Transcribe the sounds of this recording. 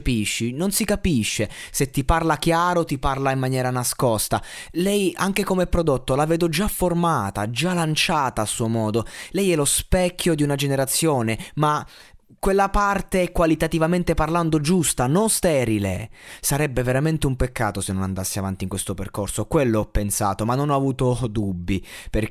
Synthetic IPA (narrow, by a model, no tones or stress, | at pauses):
piʃːinonsikapiʃːeset̪ːiparlak̟jaːɾot̪iparlaimːanjɛːɾanaskɔst̪a̰lɛjaŋk̟ekomɛpːɾod̪ot̪ːolaved̪od͡ʒafːormaːt̪ad͡ʒalant͡ʃaːt̪aːsːuːomɔːd̪olɛjɛlospɛkʰːod̪iunad͡ʒeneɾat̪sːjoːnema | kːwelːapart̪eɛkwalit̪at̪ivament̪eparland̪od͡ʒust̪anonst̪ɛːɾilḛsaɾɛbːeveɾament̪eumpekːa̰ːt̪osenːonand̪asːeava̰nt̪iŋkwest̪opḛrkorsokwelːoɔpːensa̰ːt̪omanːonɔavuːt̪od̪ubːiper